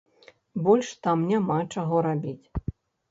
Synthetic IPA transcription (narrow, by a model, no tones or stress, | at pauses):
bɔlʲʂt̪amnʲamat͡ʂaɣɔɾabʲit͡sʲ